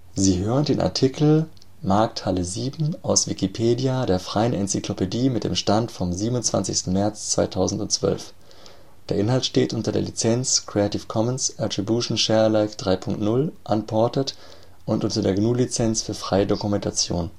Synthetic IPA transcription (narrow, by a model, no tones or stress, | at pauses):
ziːɦøːʁəndeːnʔa̰ɐtʰikʰl̩ | maɐk̚thaləziːbm̩ʔaʊsv̥ikipʰeːdiadeːɐfʁ̥aɪənʔɛnt͡siklopʰediːmɪt̚d̥ḛːmʃtantfɔmziːbənʊnt͡sv̥a̰nt͡sɪçstn̩mɛɐt͡st͡sv̥a̰ɪtʰaʊzn̩tʊntt͡sv̥œ̰lf | d̥eːɐʔɪnhaltʃteːtʔʊntɐdeːɐlit͡sɛnskʁ̥eatɪfkʰɔmənsʔatʁ̥ibjuːʃn̩ʃɛɐlaɪfd̥ʁaɪpʰʊŋk̚tnʊlʔanpʰɔɐtət | ʔʊntʔʊntɐdeːɐɡnuːlit͡sɛnsfyːɐfʁ̥aɪədokumɛntʰat͡sjo̰ːn